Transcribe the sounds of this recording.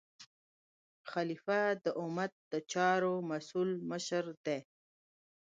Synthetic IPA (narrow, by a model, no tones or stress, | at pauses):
xalifad̪əʔʊmat̪̚d̪ət͡ʃɑɾomasulməʃɾd̪e